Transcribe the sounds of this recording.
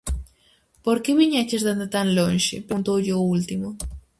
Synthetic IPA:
poɾkeβiɲat͡ʃesd̪and̪at̪anlonʃɪ̰pont̪oʎoult̪ɪmo

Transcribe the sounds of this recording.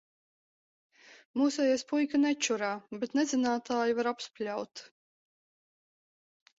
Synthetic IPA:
muːsɛjaspujkanɛt͡ʃuɾaːbet̪nɛzinaːt̪aːjivaɾapsplʲawt̪

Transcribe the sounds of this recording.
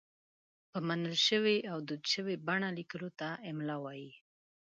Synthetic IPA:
pəmanəlʃəweʔawd̪ud̪ʃəwebaɳalikəlot̪aɪmlawaji

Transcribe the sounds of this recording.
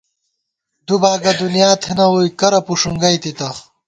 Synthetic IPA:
d̪ubaːɡɐd̪unjaːt̪ʰenɐwujkɐɾɐpuʂuŋɡɐjt̪it̪ɐ

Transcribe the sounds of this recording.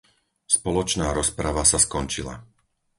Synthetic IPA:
spɔlɔt͡ʃnaːɾɔspɾaʋasaskɔnt͡ʃila̰

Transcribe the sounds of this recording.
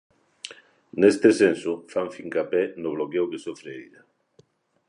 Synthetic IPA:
nest̪esensʊfaɱfiŋkapɛnʊβ̞lokewkesofɾeiɾa

